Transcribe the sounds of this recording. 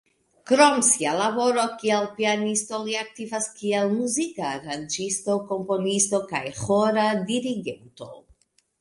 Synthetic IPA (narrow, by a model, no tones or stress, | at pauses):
kɾomsialabo̞ɾo̞kielpianisto̞liak̚tivaskielmuzikaːɾand͡ʒisto̞ko̞mpo̞nisto̞ka̰jxoɾadiɾiɡe̞nto̞̰